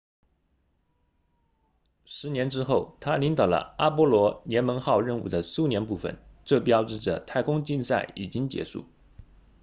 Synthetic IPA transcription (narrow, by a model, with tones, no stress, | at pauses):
ʂɻ̩˧˥njɛ˧˥nʈ͡ʂɻ̩˥xo˥˩ʊt̪ʰa˥li˧˥ŋt̪ɑ˨˩ʊlə̰˦a˥p̬wɔ˥lwɔ˧˥njɛ˧˥nmə˧˥nxɑ˥˧ʊɻə˥˧nṵ˥˩d̪ə˦su˥˧njɛ˧˥npu˥˩fə̰˨˩nʈ͡ʂɤ˥˩pjɑ˥ʊʈ͡ʂɻ̩˥˩ʈ͡ʂə̰˩t̪ʰa˥˩ɪkʊ˥ŋt͡ɕi˥˧nsa˥˩ɪḭ˨˩t͡ɕi˥ŋt͡ɕjɛ̰˧˥ʂṵ˥˩